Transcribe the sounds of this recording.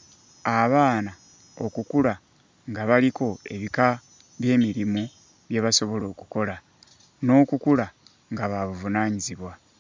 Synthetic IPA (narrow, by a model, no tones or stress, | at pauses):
aβaːna | o̞kukula | ŋɡaβalikʰo̞e̞̰βika | βje̞ːmiɾimu | βje̞βaso̞βo̞lo̞ːku̥ko̞la | no̞ːkukula | ŋɡaβaβuvunaːɲiziβwa